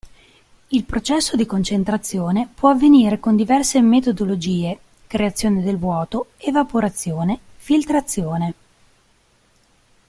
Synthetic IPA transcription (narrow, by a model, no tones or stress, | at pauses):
ilpɾot͡ʃɛsːod̪ikont͡ʃent̪ɾat̪sːjoːnepwɔavːeniːɾekond̪ivɛrsemet̪od̪olod͡ʒiːe | kɾeat̪sːjoːned̪elvwɔːt̪oevapoɾat̪sːjoːne | filt̪ɾat̪sːjoːne